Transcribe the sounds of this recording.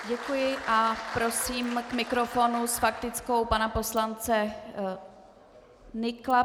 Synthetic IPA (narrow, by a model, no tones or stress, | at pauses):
ɟɛkujɪʔapɾo̞siːmkmɪkɾo̞fo̞nusfak̚t̪ɪt͡sko̞wpanapo̞slant͡sɛ | nɪkla